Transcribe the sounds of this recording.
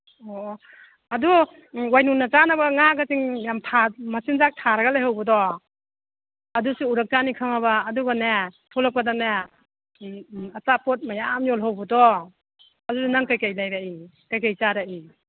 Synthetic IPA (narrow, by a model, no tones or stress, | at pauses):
ɔ | adu | wajnunat͡ʃanabaŋaɡasiŋjamtʰamasinzak̚tʰaɾaɡalajɦawbɐdɔ | ɐdusuuɾak̚t͡ʃanikʰaŋaβaːduɡanetʰɔlak̚padane | asapɔt̚majamjɔlɦawbadɔ | adudanaŋkajkajlajbai | kajkajt͡ʃaɾai